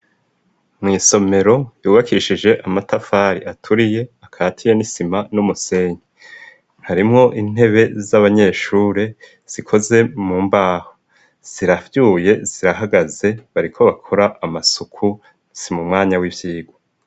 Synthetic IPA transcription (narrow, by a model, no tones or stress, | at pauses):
mŋiːso̞me̞ɾo̞juːβakʰiʃid͡ʒe̞ʔamatafaːɾiʔatʰuɾije̞akʰatʰijenisimanumuse̞ɲe | haɾimŋo̞ʔin̥e̞βe̞zaβaɲe̞ːʃuːɾe | z̥ikʰo̞ze̞muːmbaːho̥ | z̥iɾavjuːje̞z̥iɾaɦaɡaze̞βaɾikʰo̞βakʰo̞ɾaʔːmasukʰu | simumŋaːɲawivjiːɡo